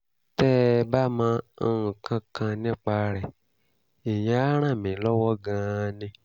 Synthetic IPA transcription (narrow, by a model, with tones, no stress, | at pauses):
tɛ˦˧ba˦mãː˧˦˧ũ˨kʰã˧kʰã˧nĩ˦˨k͡pa˧ɾɛ˨ | i˨j̃ã˨˦ɾ̃ã˦˨mĩ˨˦lɔ˦wɔ˦ɡã˧nĩ˧